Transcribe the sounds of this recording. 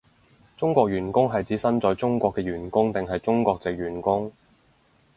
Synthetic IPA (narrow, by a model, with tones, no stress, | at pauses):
t͡sʊ˥ŋkʷɔː˧k̚jyː˨˩nkʊ˥ŋɦɐ˨jt͡siː˨˥sɐ˥nt͡sɔː˨jt͡sʊ˥ŋkʷɔː˧kːɛː˧ɥyː˨˩nkʊ˥ŋt̪ɪ˨˩ŋɦɐ˨jt͡sʊ˥ŋkʷwɔː˧k̚t͡sɪ˨k̚ɥyː˨˩nkʊ˥ŋ